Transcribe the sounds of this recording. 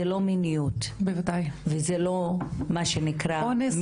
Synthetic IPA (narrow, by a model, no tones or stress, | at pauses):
elo̞minijutbevadajvezelo̞maʃenikʁaonem